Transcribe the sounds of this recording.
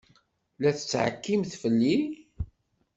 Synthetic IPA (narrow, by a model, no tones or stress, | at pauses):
læθə̥t͡sːʕə̰kːimθfəlːi